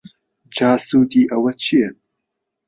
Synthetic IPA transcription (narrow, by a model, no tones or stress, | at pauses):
d͡ʒaːsuːt̪iːʔɐwɐt͡ʃʰijɛ